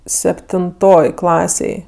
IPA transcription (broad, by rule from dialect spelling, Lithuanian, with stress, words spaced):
sʲɛpʲtʲɪnˈtoːj ˈklˠɑːsʲeːj